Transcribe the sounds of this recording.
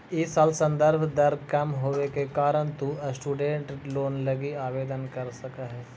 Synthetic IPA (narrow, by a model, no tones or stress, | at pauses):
ɪsaːlsɐ̃nd̪əɾbʱd̪ɐɾkɐmɦoːʋekekaːɾəɳt̪uɐsʈuːɖẽːɳʈloːnlɐɡiaːʋeːd̪ənkɐɾsɐkaɦɛː